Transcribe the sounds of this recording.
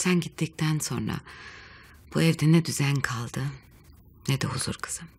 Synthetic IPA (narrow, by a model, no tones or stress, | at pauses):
t̪ʰænɟit̪ʰːic̚t̪ʰænso̞̰nɾa̰ | b̥uɛvd̪enɛd̪yzænkʰalˠd̪ɯ | ned̪ɛhuz̥ṵɾkʰɯ̥z̥ɯm